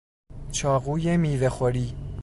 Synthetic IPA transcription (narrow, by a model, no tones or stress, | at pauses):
t͡ʃʰɒːɣuːjemiːvexoɾiː